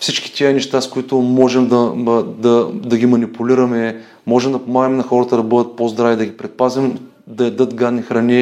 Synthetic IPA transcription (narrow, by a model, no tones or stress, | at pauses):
fsit͡ʃki̥t̪iənɛʃt̪askʊit̪ʊmɔʒɛmd̪ɐd̪ɐd̪ɐɡʲimɐnipuliɾɐmɛ | mɔʒɛmd̪ɐpomaɡəmɛnɐxɔɾɐt̪ɐd̪ɐbɤd̪ət̪̚pozd̪ɾavid̪ɐɡʲipɾɛt̪̚pazɛm | d̪ɐɛd̪ɤt̪ɡad̪nixɾɐni